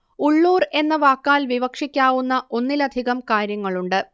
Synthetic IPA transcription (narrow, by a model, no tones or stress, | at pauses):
uɭːuːre̞nːɐʋaːkːaːlʋiʋɐkʂikʲːaːʋunːɐʔo̞nːilɐd̪ʱiɣɐmkaːɾjɐŋːɐɭuɳɖɨ